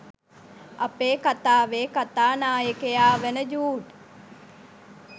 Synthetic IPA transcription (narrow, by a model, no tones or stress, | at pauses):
apeːkat̪aːʋeːkat̪aːnaːjəkejaːʋenəd͡ʒuːɖ